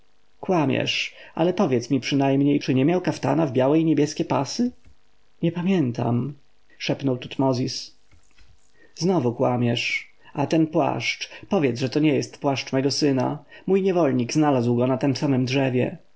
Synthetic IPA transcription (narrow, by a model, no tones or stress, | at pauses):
kwamʲjɛ̰ʂa̰lɛpɔvʲjɛt̪smʲipʂɘnajmɲejt͡ʂɘɲɛmʲjawkaft̪a̰navbʲjawɛiɲɛbʲjɛskʲɛpa̰sɘ | ɲɛpamʲjɛnt̪a̰m | ʂɛpnɔwt̪ut̪mɔzʲis | znɔvukwamʲjɛʂ | at̪ɛnpwa̰ʂt͡ʂpɔvʲjɛt̪zʐɛt̪ɔɲɛjɛst̪pwaʂt͡ʂmɛɡɔsɘna̰mujɲɛvɔlɲiɡznalazwɡɔnat̪ɛmsamɘmdʐɛvʲjɛ̰